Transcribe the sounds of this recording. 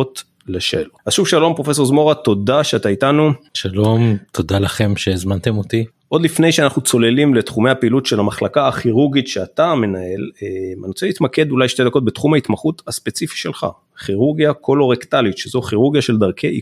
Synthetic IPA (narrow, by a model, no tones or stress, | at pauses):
ot̪ | leʃelazʃuvʃalo̞mpʁofe̞s̬o̞zmo̞ʁat̪o̞d̪aʃeat̪aitanuʃalo̞mt̪ʰod̪alaχe̞mʃezmant̪emot̪i | ʔo̞d̪lifne̞jʃeanaχnut͡so̞le̞limle̞t̪χume̞japeilut̪ʃe̞lamaχlakaːχiʁuʁɡitʃeat̪ame̞nae̞lemanoseit̪make̞d̪ulajʃted̪ako̞t̚be̞t̪χumhait̪maχut̪haspet͡sifi̥ʃe̞lχa̰ | χiʁuʁɡjakʰo̞lo̞ʁekt̪alit̪ʃezo̞χiʁuʁɡjaʃeld̪aʁkʰeʔi